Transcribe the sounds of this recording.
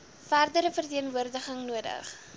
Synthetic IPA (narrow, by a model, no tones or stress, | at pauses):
færdəɾəfərtiənvuərdəχəŋnuədə̰χ